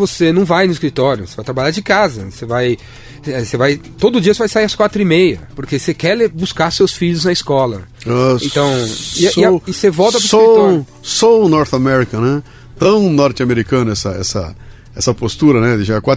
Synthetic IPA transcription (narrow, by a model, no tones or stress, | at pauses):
vosenɐ̃w̃vajnʊɪskɾit̪ɔɾjʊse̥vajt̪ɾabaʎaɾd͡ʒɪkazɐsevaj | ɛsevajt̪od̪ʊd͡ʒiɐsevajsaiɾɐskwat̪ɾʊimejɐpoɾkesekɛlebuskaɾsewsfiʎʊznɐɪskɔlɐ̰aẽt̪ɐ̃w̃isiɪsevɔwt̪̬ɐɾʊɪsoɾiɾ | sonɔɾt̪amɛɾikɐ̃nɛ | t̪ɐ̃w̃nɔɾt͡ʃ̪ɐmeɾikɐ̃nʊɛsɐɛ̰sɐ̰ | ɛsɐpost̪uɾɐnɛd̪ɪʒakwa